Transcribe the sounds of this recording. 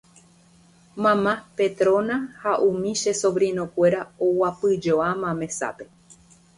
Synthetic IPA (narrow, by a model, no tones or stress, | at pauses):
mãmãpe̞t̪ɾõ̞nahaʔũmĩʃesoβɾĩnõ̞kʷe̞ɾaowapɨd͡ʒoamãmẽ̞sa̰pe̞